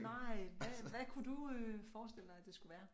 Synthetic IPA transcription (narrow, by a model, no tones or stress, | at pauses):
nɑɪ̰ʋæʋækʰud̥uøfɒːsd̥e̝l̰d̥ɑd̥e̝sɡ̥uʋæːɐ